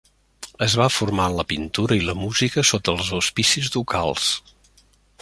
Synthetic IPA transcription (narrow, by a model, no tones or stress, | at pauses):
əzβafurmanləpint̪uɾəiləmuzikəsot̪əlˠzuspisizðukʰa̰lˠs